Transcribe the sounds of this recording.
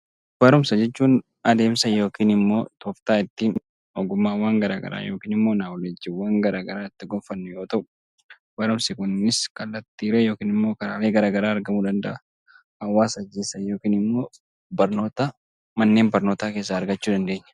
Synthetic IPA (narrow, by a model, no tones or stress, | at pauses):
b̥ɐɾʊmsɐd͡ʒɛt͡ʃːuːn | ɐd̪e̞ːmsɐjo̞ːkiːnɪmːo̞ːt̪ɔft̪aːɪt̪ːiːn | ɔɡʊmːaːwaːŋɡɐɾaːɡɐ̰ɾa̰ːjo̞ːkiːnɪmːo̞ːnaːwɔlɛd͡ʒːɪwːaːŋɡɐɾaːɡɐɾaːɪt̪ːɪɡɔmfɐnːʊjo̞ːt̪ɐʔʊ | b̥ɐɾʊmsɪkʊnːɪskɐlːɐt̪ːiːɾeːjo̞ːkiːnɪmːo̞ːkɐɾaːle̞ːɡɐɾaːɡɐɾaːɐɾɡɐmuːd̪ɐnd̪ɐ̰ʔɐ | ɐwːaːsɐd͡ʒːeːsɐjo̞ːkiːnɪmːo̞ː | bɐɾno̞ːt̪ɐ | mɐnːe̞ːmbɐɾnoːt̪aːke̞ːs̬ːaːɾɡɐt͡ʃːuːᶑ̪ɐnd̪e̞ːɲːɐ̥